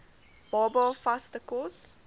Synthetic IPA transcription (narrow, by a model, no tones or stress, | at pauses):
b̥ɑːbɑfastəkɔs